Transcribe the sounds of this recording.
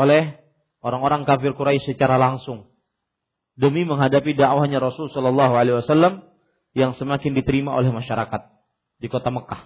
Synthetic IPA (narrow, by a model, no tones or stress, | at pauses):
olɛh | oɾaŋoɾaŋkafɪrkuɾaisət͡ʃaɾalaŋsʊŋ | dəmiməŋɦadapidaʔwahɲaɾɔsʊlsɔlɔlːɑɦualewasalːam | jaŋsəmakɪndit̪əɾimaʔo̰lɛhmaʃaɾakat̪̚ | dikot̪aməkah